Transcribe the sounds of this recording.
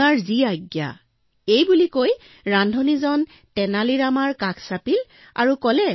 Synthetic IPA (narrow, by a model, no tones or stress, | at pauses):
aɹziaɡja̰ | ejbulikoj | ɹandʱɔnizɔn | tɛnaliɹamaɹkakʰsapil | a̰ɹukɔlɛ